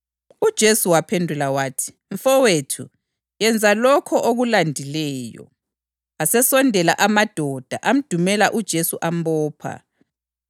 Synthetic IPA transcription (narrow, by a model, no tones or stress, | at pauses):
ud̥ʒ̥ʱesuwapʰendʱulawaːtʰi̥ | ɱfɔwetʰṵ | jɛnd͡zʱalɔkʰɔʔoɣulandʱilɛːjɔ̰ | asɛsɔndʱɛlaʔamad̥ʱɔd̥ʱaʔam̩d̥ʱumɛlaʔud̥ʒ̥ʱesuʔambɔːpʰa̰